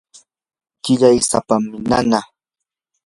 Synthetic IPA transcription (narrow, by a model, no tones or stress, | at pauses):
kɪʎajsa̰pamːɪna̰na